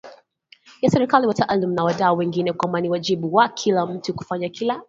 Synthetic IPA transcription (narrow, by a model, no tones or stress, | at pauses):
jasɛɾikaliwatʰaʔalim̩nawaɗaɔwɛŋɡinɛkwambaniwad͡ʒiɓuwakʰilam̩tuku̥faɲakila